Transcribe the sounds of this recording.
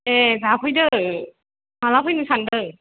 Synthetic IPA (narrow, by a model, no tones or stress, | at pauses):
ɛzapʰɯjdɯ | malapʰɯjnɯsandɯ